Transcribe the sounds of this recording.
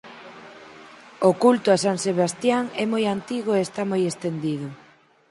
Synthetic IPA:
okult̪oasaŋseβast̪jaŋɛmojant̪iɣoeːst̪amojest̪end̪iðʊ

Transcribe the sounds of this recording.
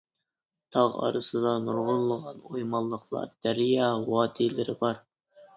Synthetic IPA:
t̪ʰɑʁɑ̰ɾɨsɨd̪ɑnuɾʁʊnlːˠəʁɑnojmɑlˠːəqlˠɑ̰ɾd̪̥æɾijɑwɑːt̪ʰelɪɾɪbɑɾ

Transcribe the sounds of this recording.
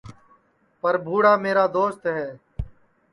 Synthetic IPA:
pəɾbʱuːɽaːmeːɾaːd̪oːst̪ɦɛː

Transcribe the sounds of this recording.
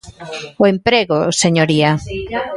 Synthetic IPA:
ʊempɾeɣoseɲoɾia

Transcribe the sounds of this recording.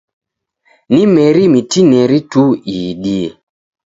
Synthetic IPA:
nimɛɾimitinɛɾituiɗie

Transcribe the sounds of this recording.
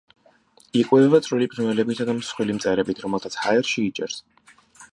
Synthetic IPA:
ikʼwɛɛvat̪sʼɾilipʰʼɾmɛlɛbit̪sʰad̪amsχwilimt̪sʼɛɾɛbit̪ʰɾɔmɛlˠt̪ʰat̪sʰhaɛɾʃiːt͡ʃʼɛ̰ɾs

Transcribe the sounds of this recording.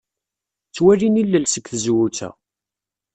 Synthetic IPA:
t͡sːwæɾinilːəlsəkθəzwut͡sæ̰

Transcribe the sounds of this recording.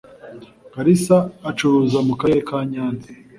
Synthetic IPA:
ɡ̥aɾisaːt͡ʃuɾuzamukaekaːɲaːni

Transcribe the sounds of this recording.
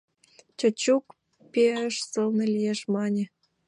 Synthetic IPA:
t͡ɕət͡ɕuk | peəʃsəlnelʲijeʃmɑnʲĕ

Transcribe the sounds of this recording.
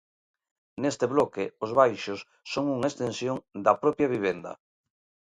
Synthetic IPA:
nest̪eβlɔkɪozβajʃosːoŋuŋaest̪ẽnsjoŋd̪ɐpɾɔpjaβiβ̞end̪ɐ̰

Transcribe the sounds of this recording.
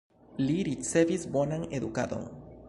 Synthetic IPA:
liɾit͡se̞visbo̞naŋed̪ukad̪o̞̰ŋ

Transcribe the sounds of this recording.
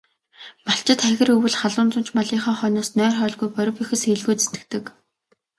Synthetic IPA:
maɬt͡ɕɪ̆t̪χæxʲɪ̆rɵwɘ̆ɮχaɮʊːnt͡sʊ̆n̥t͡ɕmɔɮiːŋχaːχœːnɔːsnœːrχœːɮɣujpœɾʲɞ̆pixɘ̆seɮɣujt͡se̥t̪ɘ̥̆k̚t̪ɘ̆k

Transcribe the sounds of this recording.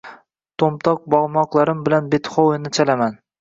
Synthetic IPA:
t̪ʰomt̪ʰɒq̚bɒʁmɒqlˠaɾɪmbɪlanbet̪χowɪnɪt͡ʃʰalaman

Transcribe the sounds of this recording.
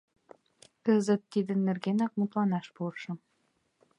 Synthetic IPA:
kəzə̆t̪ːid̪ə̆nːerɣenɑk̚mut̪lɑnɑʃpoɾʃɤ̆m

